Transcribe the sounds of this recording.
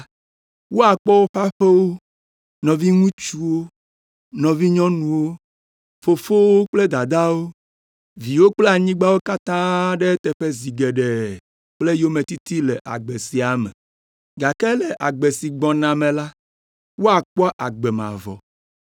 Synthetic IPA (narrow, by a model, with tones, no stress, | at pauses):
wo˦a˨k͡pɔ˦wo˦ɸa˦ɸe˦wo˦ | nɔ̃˨vi˦ŋũ˦t͡ʃu˦wo˦ | nɔ̃˨vi˦ɲɔ̃˦nũ˨wo˦ | fo˨fo˦wo˦k͡ple˦d̪a˨d̪a˦wo˦ | vi˨wo˦k͡ple˦a˨ɲĩ˦ɡ͡ba˦wo˦ka˦t̪ã˦ɖe˦t̪ɛ˨ɸe˦zi˨ɡe˨ɖɛ˨ | k͡ple˦jo˦mẽ˨t̪i˦t̪i˦lɛ˨ʔa̰˨ɡ͡be˨si˨a˨mɛ̰˨ | ɡa˨kɛ˦lɛ˨ʔa˨ɡ͡be˨si˨ɡ͡bɔ̃˨nã˨mẽ˨la˦ | wo˦a˨k͡pɔ˦ʔa˨ɡ͡bɛ˨mã̰˨vɔ̰˨